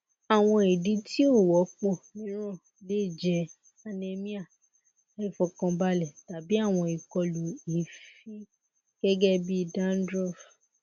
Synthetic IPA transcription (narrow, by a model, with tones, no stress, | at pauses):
a˨w̃ɔ̃˧e˨di˧ti˦o˦˨wɔ˨˦k͡pɔ̃˦˨nĩ˨˦ɾ̃ɔ̃˦˨ | le˦˨d͡ʒɛ˧˦ | a˧nẽ˧mĩ˦a˦˨˦ | i˦˨fɔ˧˨kɔ̃˧ba˧lɛ˦˨ta˨bi˦a˦˨w̃ɔ̃˧i˨kɔ˧lo˨i˨fi˦ | ɡ̥ɛ˦ɡɛ˦bi˦i˧da˦n̩˦dɾɔ˦˨f